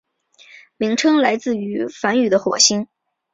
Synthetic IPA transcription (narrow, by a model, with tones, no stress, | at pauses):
mi˧˥ŋʈ͡ʂʰɤ˥ŋla˧˥ɪt͡sɹ̩˥˩y˧˥fa˧˥ny˨˩d̪ə˦xwɔ˨˩ɕi˥ŋ